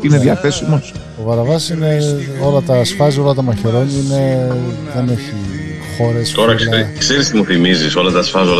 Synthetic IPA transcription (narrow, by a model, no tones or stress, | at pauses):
ine̞ðjɐθe̞simo̞s | t̪o̞pɐɾɐvɐsine̞o̞lɐt̪ɐsfɐzio̞lɐt̪ɐmɐçe̞ɾo̞ɲiine̞ðe̞neçi | xo̞ɾe̞st̪o̞ɾɐkssekseɾist̪imuθimiziso̞lɐt̪ɐsfɐzol